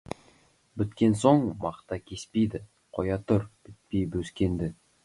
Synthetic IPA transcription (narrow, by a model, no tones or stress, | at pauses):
bɪt̪kʲe̞nso̞ɴmɑqt̪ɑkʲʰe̞spejd̪ɪ | qʰo̞jɑt̪ʰʊɾb̥ɪt̪̚pejbɵskʲe̞nd̪ɪ